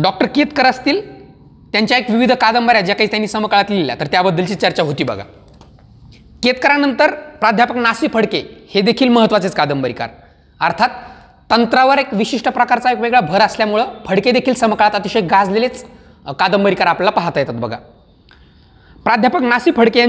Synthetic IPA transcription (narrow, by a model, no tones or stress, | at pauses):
ɖɔk̚ʈəɾket̪kəɾast̪iːl | t̪jaɲt͡ɕjaekʋiʋid̪ʱkad̪əmbaɾjad͡ʑakaɦiːt̪janːiːsəmkaɭat̪lielja̰t̪əɾt̪jabəd̪ːəlt͡ɕiːt͡ɕəɾt͡ɕaɦot̪iːbə̰ɡʱa̰ | ket̪kəɾanənt̪əɾpɾad̪ʱjapəknasiːpʰəɽkehed̪ekʰiːlməɦət̪ʋat͡set͡skad̪əmbəɾika̰ɾ | əɾt̪ʰat̪ː | ənt̪ɾaʋəɾekʋiɕiʂʈəpɾəkaɾt͡saekʋeɡɭabʱəɾəsljamuɭəːfʰəɽked̪ekʰiːlsəmkɭat̪ət̪iɕekɡad͡zlelet͡s | kad̪əmbəɾikaɾapllapaɦat̪ajet̪at̪̚bəɡʱa̰ | pɾad̪ʱjapəknasiːpʰəɽkeja